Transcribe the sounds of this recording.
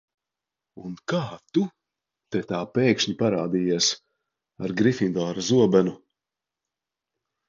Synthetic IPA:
unkaːt̪u | t̪et̪aːpeːkʃɲipaɾaːd̪iːjiɛs | aɾɡɾifind̪ɔːɾazuɔbɛnu

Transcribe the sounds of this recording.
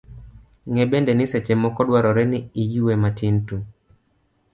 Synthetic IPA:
ŋɛbɛndɛnɪsɛt͡ʃɛmɔkɔdwaɾɔɾɛnɪijuwematintu

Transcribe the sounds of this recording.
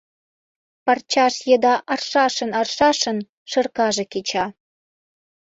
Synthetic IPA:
pɑrt͡ɕɑʃjəd̪ɑʔɑrʃɑʃə̆nɑrʃɑʃə̆n | ʃɤ̆rkɑʒĕket͡ɕɑ

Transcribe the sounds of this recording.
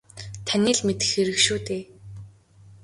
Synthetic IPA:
t̪ʰaniːɮmet̪ɘ̥̆xxeɾɘ̆kʃuːt̪eː

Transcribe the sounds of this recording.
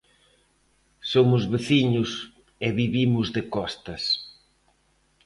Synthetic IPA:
somʊzβeθiɲʊs | ɪβiβimʊzðɪkɔst̪ɐs

